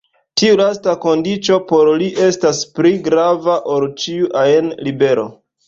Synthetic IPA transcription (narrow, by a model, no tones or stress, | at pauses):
tiulastako̞ndit͡ʃo̞po̞ɾliʔe̞staspliɡɾavaʔolt͡ʃiuʔaenlibe̞ɾo̞̰